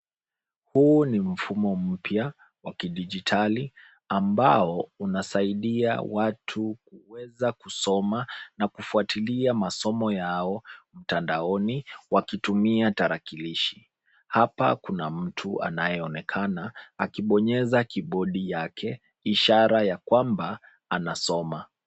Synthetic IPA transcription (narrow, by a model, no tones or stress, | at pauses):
hunim̩fumɔm̩pja | wakiɗid͡ʒitʰali | ambaɔunasaiɗia̰watʰukuwɛzakusɔmanakufuatiliamasɔmɔjaɔm̩tandaɔniwakitumiataɾakiliʃi̥ | hapa̰kunam̩tʰua̰najɛɔnɛkʰanaakiɓɔɲɛzakiɓɔɗijakʰɛ | iʃaɾajakwamba | anasɔma